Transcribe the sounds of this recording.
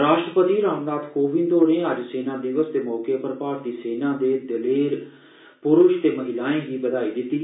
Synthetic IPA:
ɾaːʃʈɾəpət̪iːɾaːmnaːt̪koːʋɪ̃nd̪oːɽẽːəd͡ʒseːnãːd̪ɪʋəst̪eːmɔːkeːpəɾpaːɾ̚d̪iːseːnãːd̪eːd̪əleːɾ | pʊɾʊʃt̪eːməɦɪlaːẽːɡiːbəd̪aːiːd̪ɪt̪ːiː

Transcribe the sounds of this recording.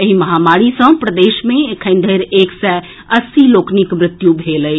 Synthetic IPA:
ɐɦimɐɦaːmaːɽisə̃pɾəd̪eːʃmẽkʰə̃ɪ̃nd̪ʱəɾeːksɛ | ɐsiloːkʰnɪkmɾɪt̪jubʱeːləi

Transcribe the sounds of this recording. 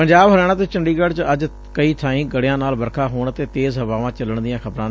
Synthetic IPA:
pəɲd͡ʒaːbɦəlɛːɽ̃ãːt̪eːt͡ʃəɳɖiːɡəɽt͡ʃəd͡ʒ | kəiːt̪ʰãːĩːɡəɽejãːnaːlbəɾkʰaːɦoːɳət̪eːt̪eːzɦəʋaːʋãːt͡ʃələɳd̪ɪjãːkʰəbɾãː

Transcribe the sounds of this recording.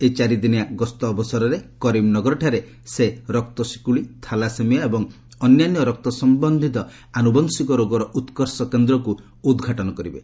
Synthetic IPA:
et͡ʃaɾid̪iniaɡɔst̪ɔːbɔsɔɾɔɾekɔɾimnɔɡɔɾɔʈʰaɾe | seɾɔk̚t̪ɔsi̥kuɭit̪ʰalasemijaebɔŋ | ɔnjanjɔɾɔk̚t̪ɔsɔmbɔnd̪ʱit̪ɔ | anubɔnsikɔɾoɡɔɾɔʔut̪kɔɾsɔkend̪ɾɔku | ud̪ɡʱaʈɔnɔkɔɾibe

